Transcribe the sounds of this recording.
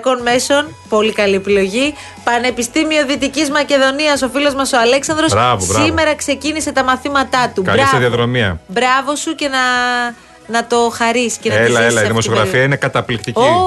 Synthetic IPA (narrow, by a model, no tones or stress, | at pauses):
ko̞nme̞so̞n | po̞likɐliepilo̞ʝi | pɐne̞pist̪imio̞ðit̪icizmɐce̞ðo̞niɐso̞filo̞zmɐsoɐle̞ksɐndɾo̞sɾɐvosbɾɐime̞ɾɐkse̞cinise̞t̪ɐmɐθimɐt̪ɐt̪ukɐ̰lisðiɐðɾo̞miɐ̰bɾɐvo̞suce̞nɐ | nɐt̪o̞xɐɾiscenelɐelɐiimosioɣɾɐfiɐine̞kɐt̪ɐplikt̪icoi